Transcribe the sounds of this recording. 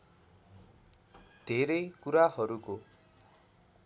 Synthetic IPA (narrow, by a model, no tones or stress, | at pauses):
d̪̥ʱeɾʌjkuɾahʌɾuko